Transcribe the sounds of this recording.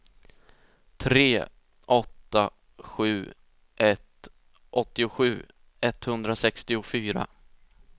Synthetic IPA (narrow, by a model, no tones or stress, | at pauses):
t̪ʰɾeː | ʔɔt̪ːa | ɧʉ̟ː | ʔɛt̪ | ʔɔt̪ːɪʊɧʉ̟ː | ɛt̪ːhɵnd̪ɾasɛkst̪ɪʊfyːɾa̰